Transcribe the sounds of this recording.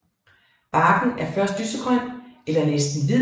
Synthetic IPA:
b̥ɑ̈ːɡ̥n̩æɐfɶɐsd̥ysəɡ̥ʁœn̰elɐnesd̥n̩ʋi

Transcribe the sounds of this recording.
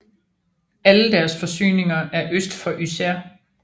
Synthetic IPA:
æləd̥æɐsfɒ̽sy̰ːne̝ŋɐʔæɐʔøsd̥fɒ̽ʔysæɐ̰

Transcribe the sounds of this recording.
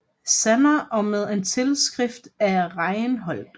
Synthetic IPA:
sænɐʔɒ̽með̞ˠe̝nt͡sʰe̝lsɡ̥ʁɛfd̥æɐʁɑ̈ɪnɦɒ̽l̰d̥

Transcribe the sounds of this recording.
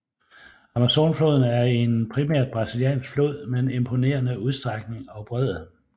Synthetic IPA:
ɑmæso̝ːnflo̝ːð̞ˠn̩æɐe̝npʰʁimæɐ̰d̥̚b̥ʁɑ̈silijɛ̰ːnsɡ̥flo̝ːð̰ˠmene̝mpʰo̝ne̝̰ːɐnəuð̞ˠsd̥ʁɑ̈ɡ̥̚ne̝ŋɒ̽b̥ʁɛð̰ˠ

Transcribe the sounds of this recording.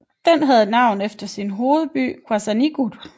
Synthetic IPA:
d̥en̰ɦæð̞ˠnɑ̈ʊ̰n̩efd̥ɐsinɦo̝ːð̞̩ˠb̥y̰ːkʰwæsæniɡ̥ud̥

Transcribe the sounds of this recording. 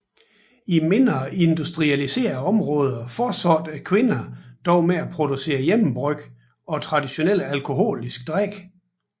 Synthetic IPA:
ime̝nd̥ʁɐʔe̝nd̥usd̥ʁiælise̝̰ːɐɒ̽mʁɔ̽ːð̞ˠɐfɒːsɒd̥ækʰʋe̝nɐd̥ɒʊmeæpʰʁo̝d̥use̝̰ːɐjemm̩b̥ʁœɡ̥ | ɒ̽t͡sʰʁɑ̈d̥iɕo̝nel̰ælkʰo̝ɦo̝̰ːlisɡ̥̚d̥ʁaɡ̥

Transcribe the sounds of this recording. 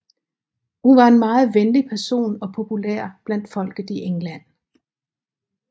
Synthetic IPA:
hunʋɑ̈e̝nmɑ̈ːð̞̩ˠʋenlipʰæɐso̝̰ːnɒ̽pʰo̝pʰulḛɐ̰b̥læn̰d̥fɒ̽l̰ɡ̥ð̩ˠiʔeŋlæn̰

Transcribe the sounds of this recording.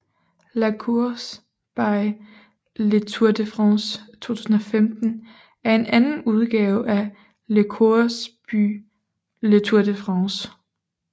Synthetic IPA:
lækʰuɐs | b̥ɑ̈ɪ | let͡sʰuɐd̥əfʁɑst͡sʰo̝̰ːt͡sʰu̥ːsn̩ɒ̽femd̥n̩ | æɐe̝nʔænn̩uð̞ˠɡ̥ɛːʊʔæ | lekʰuɐsb̥y̰ | let͡sʰuɐd̥əfʁɑ̃s

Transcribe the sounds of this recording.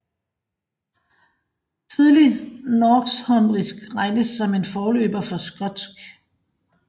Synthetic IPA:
t͡sʰiðˠlinɒːɡ̥shɒ̽nʁisɡ̥ʁɑ̈ɪnəsːɒ̽me̝nfɒːlø̰ːb̥ɐfɒ̽sɡ̥ɒ̽d̥sɡ̥

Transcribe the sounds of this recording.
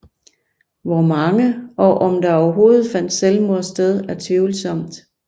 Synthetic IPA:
ʋɒmɑ̈ŋəʔɒ̽ʔɒ̽md̥ɑ̈ɒʊɐɦo̝ːð̩ˠfæn̰d̥selmo̝ɐsd̥eð̞ˠæɐt͡sʰeʊlsɒ̽m̰d̥

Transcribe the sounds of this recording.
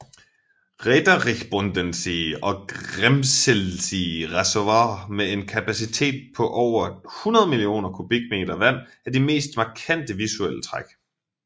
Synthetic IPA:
ʁed̥ɐʁeɡb̥ond̥ensiɒ̽ɡ̥ʁemselsiʁasoʋɑmee̝nkʰæpʰæsit͡sʰe̝̰ːd̥̚pʰɒ̽ʔɒʊ̰ɐhunɐð̞ˠmilio̝̰ːnɐkʰub̥iɡ̥me̝̰ːd̥ɐʋæn̰æɐd̥ime̝̰ːsd̥mɑ̈kʰæn̰d̥əʋisuel̰ət͡sʰʁaɡ̥

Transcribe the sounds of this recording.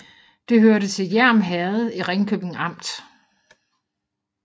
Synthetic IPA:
d̥e̝ɦøɐɾət͡sʰe̝ljæɐ̰mɦæð̩ˠiʁeŋkʰøb̥e̝ŋɑ̈m̰d̥

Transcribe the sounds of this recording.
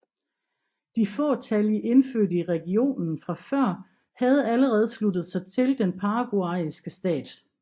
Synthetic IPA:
d̥ifɔ̰̽ːt͡sʰæliʔe̝nføɐ̰diʁɛɡ̥io̝̰ːnn̩n̩fʁɑ̈fɶɐ̰ | hæð̞̩ˠæləʁɛːð̞ˠslud̥ð̞̩ˠsɑ̈ɪt͡sʰe̝ld̥enpʰɑ̈ːɡ̥uɑ̈isɡ̥əsd̥ɛ̰ːd̥

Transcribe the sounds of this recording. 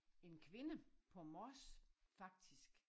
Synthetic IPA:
e̝nkʰʋe̝nəpʰɒ̽mɒsfɑ̈ɡ̥̚d̥isɡ̥

